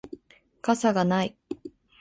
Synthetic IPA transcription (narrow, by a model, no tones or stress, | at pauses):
kasaɡanai